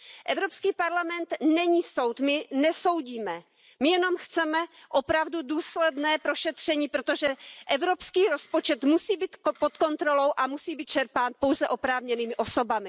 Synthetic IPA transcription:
ʔɛvɾopskiːpaɾlamɛnt̪nɛɲiːso̞wt̪mɪnɛso̞wɟiːmɛ | mɪjɛno̞mxt͡sɛmɛʔopɾavduduːslɛdnɛːpɾo̞ʃɛt̪r̝̥ɛɲiːpɾot̪oʒɛʔɛvɾopskiːɾo̞spot͡ʃɛt̪musiːbiːt̪pot̪ko̞nt̪ɾo̞lo̞wʔamusiːbiːt̪̚t͡ʃɛɾpaːnpo̞wzɛʔo̞pɾaːvɲɛniːmɪʔoso̞bamɪ

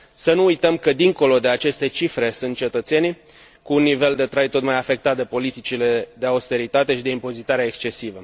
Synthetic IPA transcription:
sənuujt̪əmkəd̪iŋko̞lo̞d̪e̞at͡ʃe̞st̪e̞t͡ʃifɾe̞sunt̪̚t͡ʃe̞t̪ət̪se̞ni | kuːnːive̞ld̪e̞t̪ɾajt̪o̞t̪majafe̞k̚t̪at̪̚d̪e̞po̞lit̪it͡ʃile̞d̪e̞aust̪e̞ɾit̪at̪e̞ʃid̪e̞impo̞zit̪aɾeaekst͡ʃe̞sivə

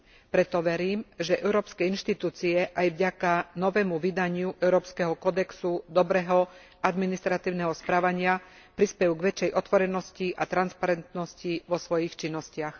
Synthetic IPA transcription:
pɾɛt̪ɔʋɛɾiːmʒɛʔɛʊɾɔːpskɛinʃt̪it̪uːt͡siɛʔajʋɟakanɔʋɛːmuʋid̪aɲɪuʔɛʊɾɔːpskɛɦɔkɔd̪ɛksud̪ɔbɾɛɦɔ | ad̪minist̪ɾat̪iːʊnɛɦɔspɾaːʋaɲɪa | pɾispɛjuɡʋɛt͡ʃɛjʔɔt̪ʋɔɾɛnɔsciʔat̪ɾanspaɾɛnt̪nɔsciʋɔsʋɔjixt͡ʃinːɔscɪax

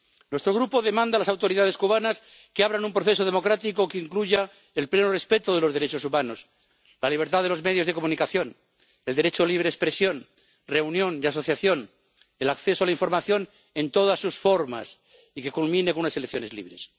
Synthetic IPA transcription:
nwest̪ɾo̞ɣ̞ɾupo̞ðe̞mãnd̪alasawt̪o̞ɾiðaðe̞skuβ̞anas | keaβɾanumpɾoθe̞s̬o̞ð̞e̞mo̞kɾat̪ikokeiŋkluʝa | elplenore̞spe̞t̪oðelo̞zðeɾe̞t͡ʃosumãno̞s | laliβ̞e̞ɾt̪aðe̞lo̞zme̞ð̞jozð̞e̞ko̞munikaθjon | e̞ld̪eɾet͡ʃo̞liβɾeespɾesjo̞n | re̞unjõ̞niaso̞θjaθjo̞n | elakθe̞soalaiɱfo̞ɾmaθjo̞n | ẽnt̪o̞ð̞asːusfo̞ɾma̰s | ike̞kulmĩnekonunaselekθjo̞ne̞zlḭβ̞ɾe̞s

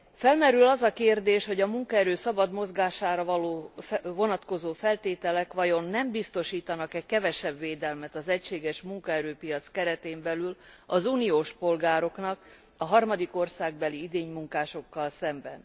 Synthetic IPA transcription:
fɛlmɛɾylɒzɒkeːrd̪eːʃho̞ɟɒmuŋkɒɛɾøːsɒbɒd̪mo̞zɡaːʃaːɾɒvɒloːvo̞nɒt̪ko̞zoːfɛlt̪eːt̪ɛlɛkʋɒjo̞nːɛmbist̪o̞ʃiːt̪ɒnɒkɛckɛvɛʃɛbveːd̪ɛlmɛt̪ɒzɛcʃeːɡɛʃmuŋkɒɛɾøːpijɒt̪skɛɾɛt̪eːmbɛlylɒzuːnijoːʃpo̞lɡaːɾo̞knɒk | ɒɦɒrmɒd̪iko̞rsaːɡ̚bɛliid̪eːɲmuŋkaːʃo̞kːɒlsɛmbɛ̰n

